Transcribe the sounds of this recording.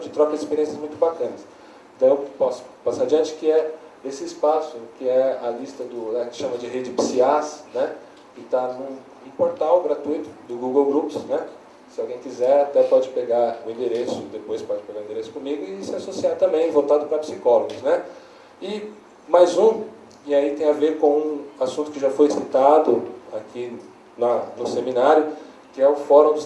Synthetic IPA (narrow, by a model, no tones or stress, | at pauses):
d͡ʒɪt̪ɾɔkɐzispeɾiẽsjɐzmũj̃t̪ʊbakɐ̃nɐs | ẽt̪ɐ̃w̃ewpɔsʊ̥pasaɾd͡ʒiɐ̃t͡ʃɪ̥kɪɛesɪːspasʊkɪɛɐlist̪ɐd̪ʊnɛkɪ̥ʃɐ̃mɐd͡ʒɪɦed͡ʒɪpsiasnɛ | kɪt̪anũ | poɾt̪awɡɾat̪ujt̪ʊ̥d̪ʊɡuɡewɡɾupsnɛ | sɪawɡẽj̃kizɛɾat̪ɛpɔd͡ʒɪpeɡaɾʊĩd̪eɾesʊd̪epojspɔd͡ʒɪpeɡaɾũĩd̪eɾesʊ̥kõmiɡʊɪsɪasosiaɾt̪ɐ̃mbẽj̃vowt̪ad̪ʊpɾɐpsikɔloɡʊsnɛ | ɪ | majzũ | ɪait̪ẽj̃aveɾkõw̃ũasũt̪ʊ̥kɪʒafojsit̪ad̪ʊakʰi | nɐnʊsemĩnaɾjʊ | kɪɛʊfɔɾɐ̃w̃d̪ʊ